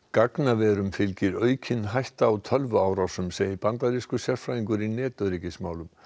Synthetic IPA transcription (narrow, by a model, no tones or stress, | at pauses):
kaknavɛːɾʏmfɪlcɪɾœːɥcʰɪnɦajht̪aːwt̪ʰœlvʏaːwɾawsʏmseːjɪpant̪aɾiskʏsjɛɾ̥fɾaːjiŋkʏɾinɛːt̪œɾicɪsmaːwlʏm